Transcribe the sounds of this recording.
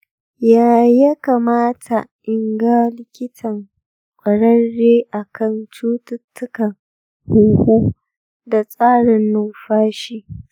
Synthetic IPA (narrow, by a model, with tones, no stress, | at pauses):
jaː˨jɐ˦kaː˨maː˦tʰa˨ʔɪ˨ŋɡa˦lɪ˦kʲɪ˦tʰɐ˨ŋ | kʷʼɐ˨ɽɐ˦nːeː˦ʔa˨kʰɐ˦˨nt͡ʃuː˦tʊ˦tːʊ˦kɐ˨ŋ | hu˦huː˦ | da˨sʼaː˦ɽɪ˨nːʊ˦˨mɸaː˦ʃiː˦